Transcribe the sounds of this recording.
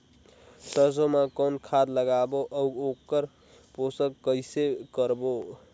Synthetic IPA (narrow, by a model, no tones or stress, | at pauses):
səsomakonkʰad̪ləɡaboʔəuokəɾ | posəkːəjsekəɾbo